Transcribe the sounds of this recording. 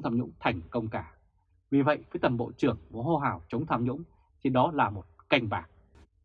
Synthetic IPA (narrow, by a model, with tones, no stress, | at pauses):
wt̪ʰaː˧mɲʊ̰˧˥ŋ͡mt̪ʰɛ˨˩jŋ̟kə˧wŋ͡mkaː˧˩ | vi˨˩və̰˧˨jfəː˨˦jt̪ə˨˩mɓo̰˧˨t͡ɕɨ˨˩əŋmo̰˨˧˩ho˧ɦaː˨˩wt͡ɕə˨˦wŋ͡mt̪ʰaː˧mɲʊ̰˧˥ŋ͡m | t͡ɕʰi˧nɗɔ˨˦laː˨˩mo˨˩t̚ka˧jŋ̟ɓaː˨˩k̚